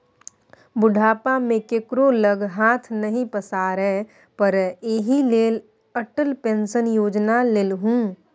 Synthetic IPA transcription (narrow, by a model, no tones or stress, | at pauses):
bʊɖʱaːpamẽkekɾoləɡɦaːt̪ʰnɐɦĩpəsaːɾɛ | pəɾeɦileːl | əʈəlpẽːnsənjoːd͡ʒnaleːlɦũː